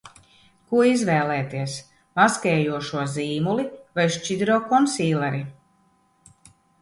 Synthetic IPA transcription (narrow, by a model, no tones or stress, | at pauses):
kuɔizvɛːlɛːt̪iɛs | maskɛːjuɔʃuɔziːmulivajʃt͡ʃid̪ɾɔːkɔnsiːlˠɛɾi